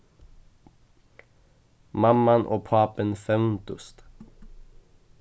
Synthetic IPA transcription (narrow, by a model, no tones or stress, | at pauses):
mamːanʔo̰ːpʰɑːpənfɛmnt̪ʊst̪